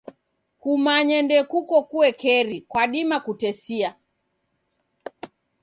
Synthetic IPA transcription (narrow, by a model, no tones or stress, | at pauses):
kumaɲɛndɛkukɔkuwɛkɛɾikwaɗimakutɛsia